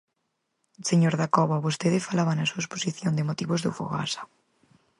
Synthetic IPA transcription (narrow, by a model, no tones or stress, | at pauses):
seɲoɾðakɔβaβost̪eðɪfalaβanasuaesposiθjond̪ɪmot̪iβozðṵfo̰ɣa̰sḁ